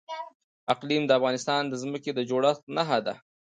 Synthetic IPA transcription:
aqlimd̪əafɣɑnɪst̪ɑnd̪əzməked̪əd͡ʒoɽaxt̪naɦad̪a

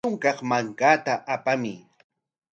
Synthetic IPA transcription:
ʊŋkɑχmaŋkat̪aʔapamɪ̰

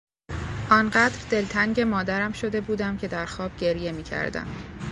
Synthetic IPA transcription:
ʔɒːnɢæːd̪ɾd̪e̞lt̪ʰæŋɟe̞mɒːd̪æɾæmʃo̞d̪e̞buːd̪æmcʰe̞d̪æɾxɒːb̥̚ɟe̞ɾje̞miːcʰæ̰ɾd̪æ̰m

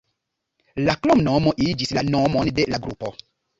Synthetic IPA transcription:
laklomnomoʔid͡ʒislanomondelaɡɾṵpo

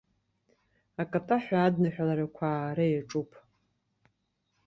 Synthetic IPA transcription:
akʼatʼaħʷᶣaːdnaħʷᶣalaɾakʷʰaːɾajaʈ͡ʂʼupʼ

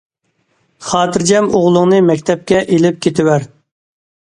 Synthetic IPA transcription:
χɑːt̪ʰɨɾd͡ʒɛmoʁlˠʊŋnɨmɛkʲt̪ʰɛp̚kʲɛʔelɪp̚kʲʰet̪ʰɪwæɾ

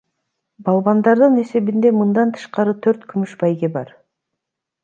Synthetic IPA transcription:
bɑlˠβɑnd̪ɑɾd̪ɯne̞se̞βind̪e̞mɯnd̪ɑnt̪ʰɯ̥ʃqɑɾɯt̪ʰøɾt̪kʰymyʃbɑjɡʲe̞bɑ̰ɾ

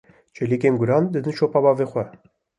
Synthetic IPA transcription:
t͡ʃʰelikeːmɡʊɾɑːnd̪ɨd̪ɨnʃopɑbɑːveːxʷɛ

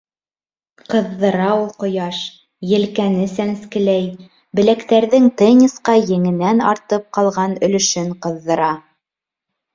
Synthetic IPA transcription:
qɤ̆ðːɤ̆ɾɑulˠqŏjɑʃ | jɘ̆lkænɘsænskɘ̆læj | bɘ̆lækt̪æɾðɘŋt̪ĕnʲisqɑjɘ̆ŋɘ̆nænɑ̰ɾt̪ɤp̚qɑlˠʁɑnɵ̆lɵ̆ʃɘɴqɤ̆ðːɤ̆ɾɑ

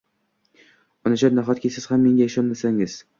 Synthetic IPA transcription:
ɒnad͡ʒat̪naɦɒt̪̚kʲisɪz̥hamːe̞ŋɡaaʃɒnmasaŋɪz̥

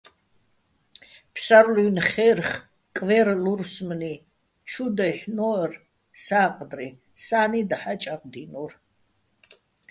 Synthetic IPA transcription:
pʰsaɾlunχɛrχ | kʼvɛɾluɾsmni | t͡ʃʰud̪aħnɔr | saːqʼd̪ri | saːnid̪aħat͡ʃʼaqʼd̪inur

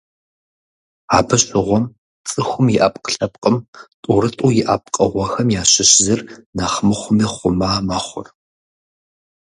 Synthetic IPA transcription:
aːbɨɕʼɪʁʷɔm | t͡sʼɨxʷʊmjɪʔaːpʼqɬɐp̚ʼqʼəmtʼuɾɨtʼuːjɪʔaːp̚ʼqʼəʁʷɔxɐmjaːɕɪɕzɨrnaːχmɨχʷʊmiːχʷʊmaːmaːχʷʊ̰r

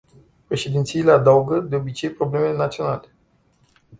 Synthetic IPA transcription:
pɾe̞ʃe̞d̪int̪sijilead̪awɡəd̪eo̞bit͡ʃe̞jpɾo̞ble̞mele̞nat̪sio̞nale

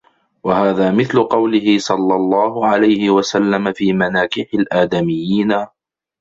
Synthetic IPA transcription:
wahaːðaːmɪθlʊqɑwlɪhɪsˤɑlːɑlˤːɑːɦʊʕalajhɪwasalːamafiːmanaːkɪħalʔaːd̪amɪjːiːna

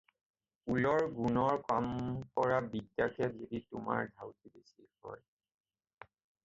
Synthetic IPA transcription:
ulɔɹɡunɔɹkampɔɹabidjakʰɛzoditʊma̰ɹdʱawtibesikɔ̰j

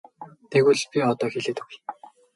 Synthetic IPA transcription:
t̪ʰeɣuːɮpʲiɔt̪ɔːxeɮeːt̪uwuj

